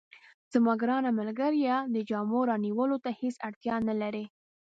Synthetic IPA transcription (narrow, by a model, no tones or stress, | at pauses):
z̥ɪmɑɡɾɑnamalɡaɾjɑd̪əd͡ʒɑmoɾɑniwəlot̪ahesaɽt̪jɑnalaɾe